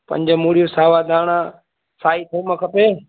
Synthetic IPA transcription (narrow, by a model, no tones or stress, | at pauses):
pɐ̰̃ɲd͡ʒəmuːɽijosaːʋaːd̪ʱaːɽ̃aː | saːit̪ʰiməkʰəpeː